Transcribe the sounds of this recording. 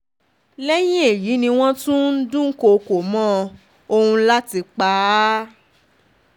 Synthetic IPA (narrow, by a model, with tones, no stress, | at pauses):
lɛ˦j̃ĩ˦e˨ji˨˦nĩ˧w̃ɔ̃˦tũ˦n̩˦dũ˦ko˧ko˨mɔ̃˦ | o˧hũ˧˦la˦ti˧k͡pa˦